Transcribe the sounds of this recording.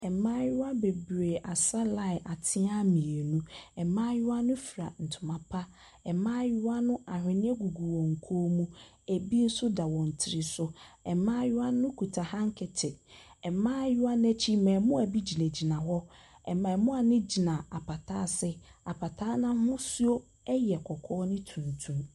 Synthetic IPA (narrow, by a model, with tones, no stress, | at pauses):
ɛ˨mãː˦jʊ˦a˦be˨bɾe˨ʔa˨sa˦la˦ɪ˨ʔa˨tʰɪ˦a˦mĩ˨e˨nũ˦ɛ˨mãː˦jʊ˦a˦nʊ̃˦fi˨ɾa˨n̩˨tʰʊ˨mã˨pʰa˦ | ɛ˨mãː˦jʊ˦wa˦nʊ̃˦a˨hᶣɪ̃˨nɪ̃˦ɛ˦ɡu˨ɡu˨wɔ̃˨ŋ̩˨kʰoː˦mũ˦ | æ˨bi˦n̩˦sʊ˦da˨wɔ̃˨n̩˨tʰɪ˨ɾɪ˨sʊ˦ɛ˨mãː˦jʊ˦a˦nʊ̃˦kʰu˨tʰa˨hã˦ŋ̩˦kʰɛ˨tʰɪ˨ɛ˨mãː˦jʊ˦a˦n˦æ˦t͡ɕʰi˦˨mã˨mʊ̃˦a˨bi˦d͡ʑi˨næ̃˨d͡ʑi˨nã˨ɦɔ˦ | ɛ̰˨mã˨mʊ̃˦a˨nɪ̃˦d͡ʑi˨nã˨a˨pa˨tʰaː˦sɪ˦a˨pʰa˨tʰaː˦nã˦hʊ̃˦su˦o˦ | ɛ˦jɛ˨kʰɔ˨kʰɔː˦nɪ̃˦tʰũ˨ntʰũ˦m